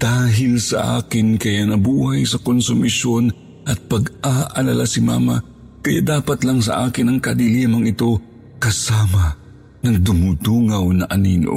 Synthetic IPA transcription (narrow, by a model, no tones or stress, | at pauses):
d̪̥aːɦɪlsɐ̰ʔa̰ːkɪnkɐjanɐbuːhajsɐkonsʊmɪʃon | ʔɐt̪̚pɐɡaʔɐlɐlasɪma̰ːma̰ | kɐja̰d̪aːpɐt̪laŋsɐ̰ʔaːkɪnɐŋkɐd̪ɪlimɐŋɪt̪o̞ | kɐsaːmɐ | nɐŋd̪ʊmud̪uŋɐwnɐʔɐninʔo̰